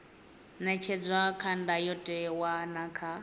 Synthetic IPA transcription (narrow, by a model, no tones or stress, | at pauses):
nɛt͡ʃʰɛd͡zʷwakʰandajɔtʼɛwanakʰa